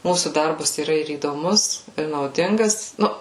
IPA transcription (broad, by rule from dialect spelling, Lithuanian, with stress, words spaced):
ˈmuːsuː ˈdɐrbɐs iːˈrɐ ɪr iːdoːˈmʊs ɪr nɐʊˈdʲɪŋɡɐs ˈnʊ